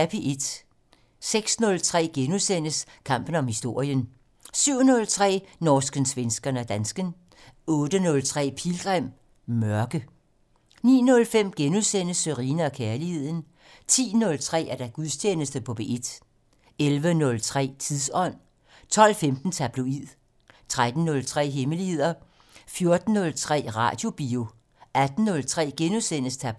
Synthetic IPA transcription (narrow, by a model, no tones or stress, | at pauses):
æb̥ʰiʔed̥ | seɡ̥snɔ̽lt͡sʰʁɛ̰ːɡ̥enusen̰əskʰɑ̈m̰b̥n̩ɒ̽mhisd̥o̝ɐ̰jən | syʊ̰nɔ̽lt͡sʰʁɛ̰ːnɒːsɡ̥ənsʋensɡ̥ɐnæd̥ænsɡ̥ən | ɔ̽ːd̥ənɔ̽lt͡sʰʁɛ̰ːpʰilɡ̥ʁam̰ | mɶɐɡ̥ə | nḭːnɔ̽lfem̰ɡ̥enusen̰əsøʁiːnəɒ̽kʰæɐlihe̝ð̞̰ˠn̩ | t͡sʰḭːnɔ̽lt͡sʰʁɛ̰ːæɐd̥æɡ̥uðˠst͡ɕʰjeːnəsd̥əpʰɔ̽b̥e̝ʔe̝d̥ | elʋənɔ̽lt͡sʰʁɛ̰ːt͡sʰiðˠsɒ̽n̰ | t͡sʰɒ̽l̰femd̥n̩t͡sʰæb̥loið̰ˠ | t͡sʰʁad̥n̩ːɔ̽lt͡sʰʁɛ̰ːɦeməlihe̝ð̰ˠɐ | fjo̝ɐd̥n̩ːɔ̽lt͡sʰʁɛ̰ːʁɑ̰̈d̥jo̝b̥io̝ | æd̥n̩ːɔ̽lt͡sʰʁɛ̰ːɡ̥enusenəst͡sʰæb